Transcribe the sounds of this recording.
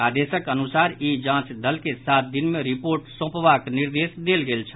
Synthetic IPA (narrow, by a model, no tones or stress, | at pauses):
ad̪esəkənusaːɾid͡ʒãːt͡ʃd̪əlkesat̪̚d̪inmeɾipoɾʈsõːpʋakniɾd̪esd̪elɡelt͡ʃʰə